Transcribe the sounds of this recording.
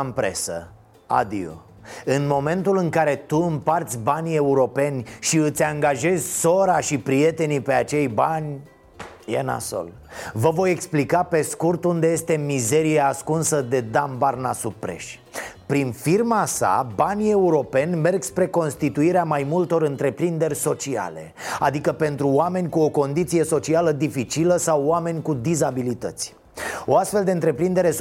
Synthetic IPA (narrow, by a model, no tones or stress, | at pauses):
mpɾe̞̰sə̰ | a̰d̪ḭo̰ | ɨnmo̞mẽ̞nt̪ulɨŋkaɾe̞t̪uɨmpart̪sʲbanʲie̞uɾo̞pe̞nʲʃiɨt̪sʲaŋɡaʒe̞zʲso̞ɾaʃipɾije̞t̪e̞nipe̞at͡ʃe̞jbanʲ | jḛna̰so̰l | vəvo̞je̞ksplikape̞skurt̪und̪e̞jest̪e̞mize̞ɾijeaskunsəd̪e̞d̪ambarnasupɾe̞̰ʃʲ | pɾinfirmasa̰banʲie̞uɾo̞pe̞nʲme̞rɡspɾe̞ko̞nst̪it̪uiɾeamajmult̪o̞ɾɨnt̪ɾe̞pɾind̪e̞rʲso̞t͡ʃia̰le̞̰a̰d̪ikəpe̞nt̪ɾuoame̞nʲkuo̞ko̞nd̪it̪sije̞so̞t͡ʃialəd̪ifit͡ʃiləsawame̞nʲkud̪izabilit̪ə̰t̪sʲ | o̞ast̪fe̞ld̪e̞ɨnt̪ɾe̞pɾind̪e̞ɾe̞